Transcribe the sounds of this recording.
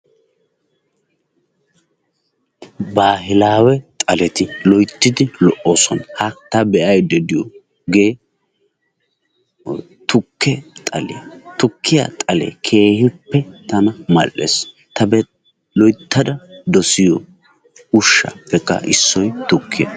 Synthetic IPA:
baːɦɪlaːwɛt̪ʼɐlɛt̪ɪlɔjt̪ːɪd̪ɪlɔʔːoːsɔnhɐt̪ɐbɛʔɐjd̪ɛd̪ɪjɔ̰ | ɡe̞ː | t̪ʊkʰːɛt̪ʼɐ̰lɪ̰t̪ʊkʰːɪja̰t̪ʼɐlḛkʰe̞ːhɪpːɛt̪ɐnɐmɐlʔːḛːs | t̪ɐbɛ | lɔjt̪ʰːɐd̪ɐd̪ɔsɪjɔ | ʊʃːɐ̰pːɛkʼːɐ̰ʔɪsːɔjt̪ʊkːɪɛ̰

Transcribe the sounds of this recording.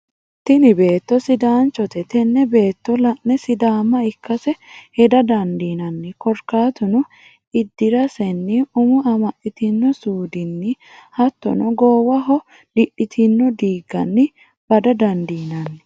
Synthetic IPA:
t̪ɪnɪbe̞ːt̪ːɔsɪd̪aːnt͡ʃːɔt̪ɛt̪ɛnːɛbe̞ːt̪ːɔlɐʔnɛsɪd̪aːmːɐɪkːɐsɛhɛd̪ɐd̪ɐnd̪iːnɐnːɪkɔɾkaːt̪ʊnʊ | ɪd̪ːɪɾɐsɛnːɪʊmʊɐmɐʔɪt̪ɪnːɔsuːd̪ɪnːɪ | hɐt̪ːɔ̰nɔɡoːwɐɦɔ | lɪʔɪt̪ʰɪnːɔd̪iːɡːɐ̰nːɪ | b̥ɐd̪ɐd̪ɐnd̪iːnɐnːɪ

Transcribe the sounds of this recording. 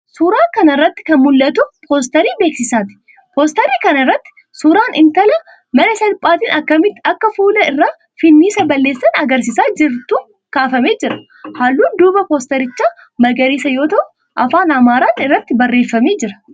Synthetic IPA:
suːɾaːŋkɐnɐɪrːɐt̪ːɪ̥kɐnmʊlːɐt̪ʊpʰoːs̬t̪ɐɾiːbeːksɪsaːt̪ɪ̥ | poːst̪ɐɾiːkɐnɪrːɐt̪ːɪ̥ | suːɾaːnɪnt̪ɐlɐ | mɐnɐsɐlpʼːaːt̪iːnʔɐkːɐmɪt̪ːɪɐkːɐfuːlɐɪrːaː | fɪnːiːsɐbɐlːeːsːɐnɐɡɐɾsɪsaːd͡ʒɪɾt̪uː | kaːfɐmeːd͡ʒɪɾɐ̥ | haːlːuːnd̪uːbɐpoːst̪ɐɾɪt͡ʃːaː | mɐɡɐɾiːsɐjo̞ːt̪ɐʔʊ | ʔɐfaːnɐmaːɾaːnɪrːɐt̪ːɪbɐrːe̞ːfːɐme̞ːd͡ʒɪɾɐ̥

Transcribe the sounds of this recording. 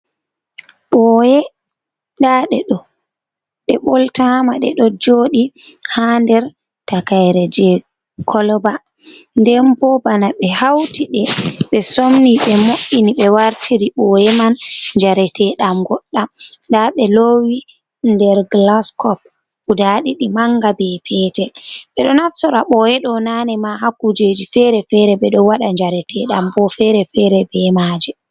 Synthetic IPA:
ɓɔjɛ | daɗɛɗɔ | ɗɛɓɔltamaɗɛ̰ɗɔd͡ʒoːɗi | handɛɾ | takajɾɛd͡ʒɛ | kʰɔlɔba | ndɛmpɔbanaɓɛhawtiɗɛɓɛsomniɓɛmoʔːiniɓɛwaɾtʰiɾiɓɔjɛmanɲd͡ʒaɾɛtʰɛɗamɡɔɗːamndaɓɛlowi | ndɛɾɡlaskɔp̚ | udaɗiɗimaŋɡabɛpʰɛːtɛɓɛɗɔnaftɔɾaɓɔɛɗɔnanɛmaɦakːud͡ʒed͡ʒifɛɾɛfɛɾɛbɛɗɔwaɗaɲd͡ʒaɾɛtʰɛɗambɔfɛɾɛfɛɾɛbɛmad͡ʒɛ

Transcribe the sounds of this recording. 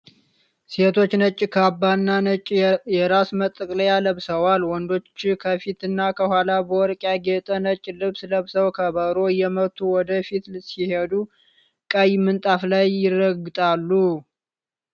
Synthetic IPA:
se̞t̪ʰo̞t͡ʃːnət͡ʃʼːikʰabːanːat͡ʃʼːjɛɾasmət̪ʼːɨkʼləjaləβsəwalwɔnd̪o̞t͡ʃːkʰəfit̪ɨnːakʰəhʷwalabəwɔɾkʼjaɡet̪ʼənət͡ʃʼːilɨβsləβsəwkʰəβəɾo̞jɛmət̪ʰːuwɔd̪əfit̪sihed̪u | kʼəjmɨnt̪ʼaflajːɪrːəɡɨt̪ʼalːu

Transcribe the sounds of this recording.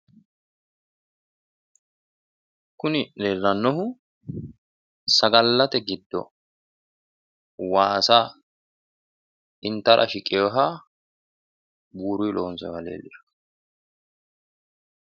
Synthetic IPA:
kʊnɪleːlːɐnːɔɦʊ | sɐɡɐlːɐt̪ɛɡɪd̪ːɔ̰ | waːsaː | ʔɪnt̪ɐɾʔɐ̰ʃɪkʼːɪjoːɦaː | buːɾʊjlʔoːnsɔ̰jɐlḛːlːɪf

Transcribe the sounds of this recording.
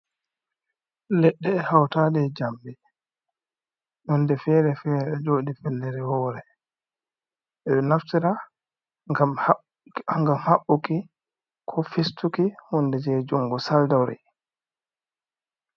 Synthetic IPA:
lɛɗːɛːhawtaɗɛd͡ʒambɛ | ɗundɛfɛɾɛfɛːɾɛɗɛd͡ʒoːɗifɛlːɛɾɛhɔːɾɛ | ʔɛɗɔnaftiɾa | ɡam | aŋɡamhaɓːuki | kʰɔfistukihundɛd͡ʒɛd͡ʒuŋɡɔsaldawɾɛ̰

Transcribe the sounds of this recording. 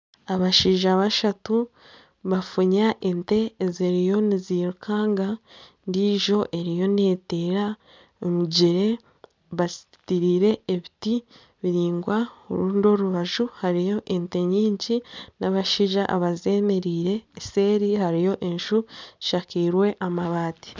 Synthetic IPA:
aβaʃiːʒaβaʃatu | βafuɲaʔente̞ːziɾijo̞niziɾukʰaːŋɡandiʒo̞ʔe̞ɾijo̞neteːɾa | omuɟeɾe̞ | βasi | tiɾiːɾe̞ːβiti | βiɾiːŋɡwao̰ɾuːndo̞ɾuβaʒuhaɾijo̞ʔente̞ɲiːɲɟinaβaʃiʒaʔaβaze̞me̞ɾiːɾe̞ːse̞ːɾihaɾijo̞ʔe̞nʃuziʃakiːɾwe̞ʔamaβaːti̥

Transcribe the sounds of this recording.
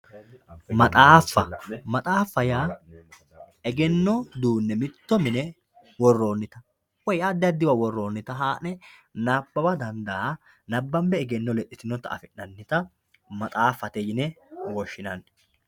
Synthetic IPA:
mɐt̪ʼaːfːɐmɐt̪ʼaːfːɐjaː | ɛɡɛnːɔd̪uːnːɛmɪt̪ːɔmɪnɛ | wɔrːo̞ːnːɪt̪ɐ | wɔjad̪ːɪɐd̪ːɪwɐwɔrːo̞ːnːɪt̪ɐɦaːnɛ | naːbːɐbɐd̪ɐnd̪aː | nɐbːɐmbɛɛɡɛnːɔlɛʔːɪt̪ɪnːɔt̪ːɐ̰ɐ̰fɪʔːɐnːɪt̪ɐ | mɐt̪ʼaːfːɐt̪ɛjɪnɛ | wɔʃːɪnɐnː

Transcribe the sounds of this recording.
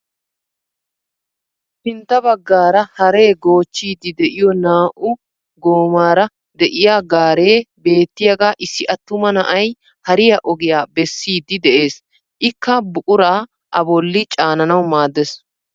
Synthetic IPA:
pɪnt̪ːɐbɐɡːaːɾɐhɐɾe̞ːɡo̞ːt͡ʃːiːd̪ːɪd̪ɛʔɪjɔnaːʔʊ | ɡoːmaːɾɐ | d̪ɛʔɪjaːɡaːɾeːbe̞ːt̪ːɪjɐɡaːʔɪsːɪʔɐt̪ːʊmɐnɐʔɐj | hɐɾɪjɐʔɔɡɪjaːbɛsːiːd̪ːɪd̪ɛʔe̞ːs | ʔɪkːɐbʊʔʊɾaː | ʔɐbɔlːɪt͡ʃʼaːnɐnɐwmaːd̪ːɛs

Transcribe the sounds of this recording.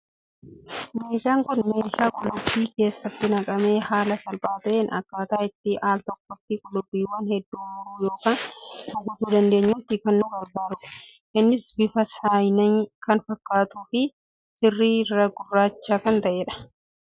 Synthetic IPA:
me̞ːʃaːŋkʊnme̞ːʃaːkʼʊlʊbːiːke̞ːsːɐt̪ːɪnɐkʼɐme̞ːhaːlɐsɐlpʼaːt̪ɐʔeːnɐ̰kːaːt̪aːɪt̪ːɪʔaːlt̪ɔkːɔtːɪkʼʊlʊbːiːwɐnhɛd̪ːuːmʊɾuːjo̞ːkaːnʊɡʊt̪uːd̪ɐnd̪e̞ːɲːʊt̪ːɪkɐnːʊbɐɾbaːɾʊʊ̥ | ʔɪnːɪsbɪfɐsaːjnɐŋkɐnfɐkːaːt̪uːfɪ | sɪrːiːrːɐɡʊrːaːt͡ʃːaːkɐnt̪ɐʔeːᶑɐ̥

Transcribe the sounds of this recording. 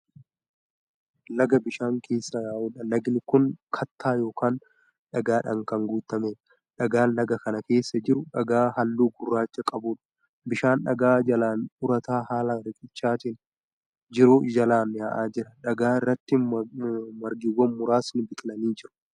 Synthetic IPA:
lɐɡɐbɪʃaːŋkʰe̞ːsːɐjaːʔʊːᶑɐnɐɡnɪkʊŋkʰɐt̪ʰːaːjo̞ːkaːn | ᶑɐɡaːᶑɐŋkɐŋɡuːt̪ːɐmeᶑ | ᶑɐɡaːnlɐɡɐkɐnɐke̞ːsːɐd͡ʒɪɾʊᶑɐɡaːɦɐlːuːɡʊrːaːt͡ʃːɐkʼɐbuːᶑɐ̥ | bɪʃaːnᶑɐ̰ɡaːd͡ʒɐlaːnʊɾɐt̪aːhaːlɐɾɪkʼɪt͡ʃːaːt̪ɪn | d͡ʒɪɾoːd͡ʒɐlaːnːɪhɐʔaːd͡ʒɪɾɐᶑɐɡaːɪrːɐt̪ːɪ | mɐɾɡɪwːɐnmːʊɾaːsnʊbɪk̪ʼlɐniːd͡ʒɪɾʊ̥

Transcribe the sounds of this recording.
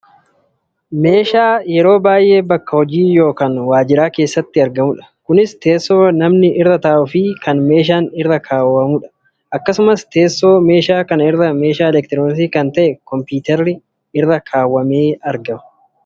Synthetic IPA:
me̞ːʃaːjɛɾo̞ːbaːjʔe̞ːbɐkːɐhɔd͡ʒiːjo̞ːkaːnwaːd͡ʒɪɾaːke̞ːsːɐt̪ːɪɐɾɡɐmʊᶑɐ̥kʊnɪst̪e̞ːsːo̞ːnɐmnɪʔɪrːɐt̪ɐʔʔʊfɪkɐnme̞ːʃ̬aːnɪrːɐkʰaːwːɐmʊᶑɐ̥ | ʔɐkːɐsʊmɐst̪e̞ːsːo̞ːme̞ːʃaːkɐnɪɾːɐme̞ːʃaːɛlɛk̚t̪ɪɾoːns̬ikɐnt̪ɐʔɛkɔmpuːt̪ɛɾːɪ | ɪrːɐkʰaːwːɐme̞ːɐɾɡɐmɐ̥

